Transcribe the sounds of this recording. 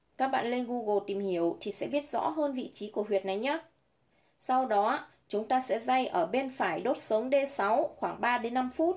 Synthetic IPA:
kaː˦˥k̚ɓa̰ː˧˨nle˧nɣu˧ɣo˧˩t̪i˨˩mhi˧˩əwt̪ʰi˨˩sɛ̰˧˥ɓi˦˥ət̚zɔ̰˧˥ɦəː˧nvḭ˧˨t͡ɕi˨˦ku˧˩əhwi˨˩ət̚na˨˩jɲaː˨˦ | sa˧wɗɔ˨˦ | t͡ɕʊ˨˦ŋ͡mt̪aː˧sɛ̰˧˥za˧jʔəː˧˩ɓe˧nfaː˧˩jɗo˦˥t̚sə˨˦wŋ͡mɗe˧sa˨˦wxwaː˧˩ŋɓaː˧ɗe˨˦nːa˧mfu˦˥t̚

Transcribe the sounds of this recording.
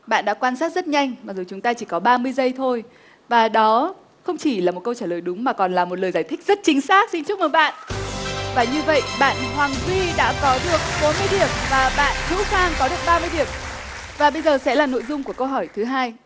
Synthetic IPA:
ɓa̰ː˧˨nɗa̰ː˧˥kwaː˧nsaː˦˥t̚z̥t̚ɲa˧jŋ̟maː˨˩k̚zo˨˩t͡ɕʊ˨˦ŋ͡mt̪aː˧t͡ɕi˧˩kɔ˨˦ɓaː˧mɨ˧əjzə˧jt̪ʰo˧j | vaː˨˩ɗɔ˨˦ | xə˧wŋ͡mt͡ɕi˧˩laː˨˩mo˨˩t̚kə˧wt͡ɕaː˧˩ləː˨˩jɗʊ˨˦ŋ͡mmaː˨˩kɔ˨˩nlaː˨˩mo˨˩t̚ləː˨˩zaː˧˩jt̪ʰï˦˥k̟̚z̥ə˦˥t̚t͡ɕï˨˦ŋ̟saː˦˥k̚si˧nt͡ɕʊ˦˥k͡p̚məː˨˦jɓa̰ː˧˨n | vaː˨˩ɲɨ˧və̰˧˨jɓa̰ː˧˨nɦwaː˨˩ŋzi˧ɗa̰ː˧˥kɔ˨˦ɗɨ˨˩ək̚ɓo˨˦nmɨ˧əjɗi˧˩əm̚vaː˨˩ɓa̰ː˧˨nhɨ̰˧˥xwaː˧ŋkɔ˨˦ɗɨ˨˩ək̚ɓaː˧mɨ˧əjɗi˨˩əp̚ | vaː˨˩ɓə˧jzəː˨˩sɛ̰˧˥laː˨˩no̰˧˨jzʊ˧ŋ͡mku˧˩əkə˧wɦɔ˧˩jt̪ʰɨ˨˦ɦaː˧j

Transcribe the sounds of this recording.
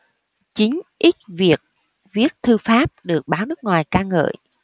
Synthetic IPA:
t͡ɕï˨˦ŋ̟ʔi˦˥t̚vi˨˩ək̚ | vi˦˥ət̚t̪ʰɨ˧faː˦˥p̚ɗɨ˨˩ək̚ɓaː˨˦wnɨ˦˥k̚ŋwaː˨˩jkaː˧ŋə̰ː˧˨j

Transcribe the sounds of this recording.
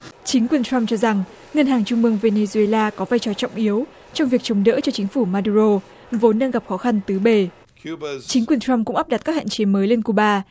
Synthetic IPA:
t͡ɕi˨˦ŋ̟kwi˨˩ənt͡ɕa˧mt͡ɕɔ˧za˨˩ŋ | ŋə˧nɦaː˨˩ŋt͡ɕʊ˧ŋ͡mmɨ˧əŋve˧ne˧zu˧e˧laː˧kɔ˨˦vaː˧jt͡ɕɔ˧˩t͡ɕɔ̰˧˨wŋ͡mʔi˨˦əw | t͡ɕɔ˧ŋ͡mvi˨˩ək̚t͡ɕə˨˦ŋ͡mɗə̰ː˧˥t͡ɕɔ˧t͡ɕï˨˦ŋ̟fu˧˩maː˧ɗu˧ɾo˧ | vo˨˦nːə˧ŋɣa˨˩p̚xɔ˨˦xa˧nt̪ɨ˨˦ɓe˧˩ | t͡ɕï˨˦ŋkwi˨˩ənt͡ɕa˧mkʊ̰˧˥ŋ͡mʔa˦˥p̚ɗa˨˩t̚kaː˦˥k̚ha̰ː˧˨nt͡ɕe˨˦məː˨˦jle˧nku˧˩ɓaː˧

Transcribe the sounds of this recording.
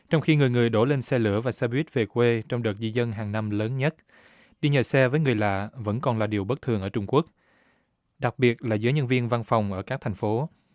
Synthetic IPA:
t͡ɕɔ˧wŋ͡mxi˧ŋɨ˨˩əjŋɨ˨˩əjɗo˧˩le˧nsɛ˧lɨ̰˧˩əvaː˨˩sɛ˧ɓwi˦˥t̚ve˨˩kwe˧t͡ɕɔ˧wŋ͡mɗəː˨˩t̚zi˧zə˧nɦaː˨˩ŋna˧mləː˨˦nɲə˦˥t̚ | ɗi˧ɲəː˨˩sɛ˧vəː˨˦jŋɨ˨˩əjla̰ː˧˨və̰˧˥nkɔ˨˩nlaː˨˩ɗi˨˩əwɓə˦˥t̪ʰɨ˨˩əŋʔəː˧˩t͡ɕʊ˧ŋ͡mku˦˥ək̚ | ɗa˨˩k̚ɓi˨˩ət̚laː˨˩zəː˨˦jɲə˧nvi˧ənva˧nfa˨˩wŋ͡mʔəː˧˩kaː˦˥k̚t̪ʰɛ˨˩ŋ̟fo˨˦

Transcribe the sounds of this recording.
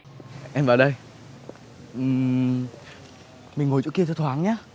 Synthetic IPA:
ʔɛ˧mvaː˨˩ɗə˧j | ʔɨ˨˩ | mï˨˩ŋ̟ŋo˨˩t͡ɕṵ˧˥ki˧ət̪ʰɛ˧˦t̪ʰwaː˨˦ŋɲaː˨˦

